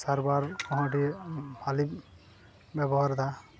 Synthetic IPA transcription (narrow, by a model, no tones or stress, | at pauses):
saɾbaɾkɔɦãʈibʰali | bɛbɔɦaɾd̪a